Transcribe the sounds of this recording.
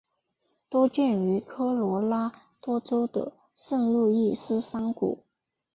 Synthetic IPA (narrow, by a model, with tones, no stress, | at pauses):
t̪wo˥ʊt͡ɕjɛ˥˩ny˧˥kʰɤ˥lwɔ˧˥la˥ | t̪wɔ˥t͡so˥ʊd̪ə̰˨˩ | ʂə˥˧nlu˥˧i˥˩sɹ̩˥sɑ˥ŋkṵ˨˩˦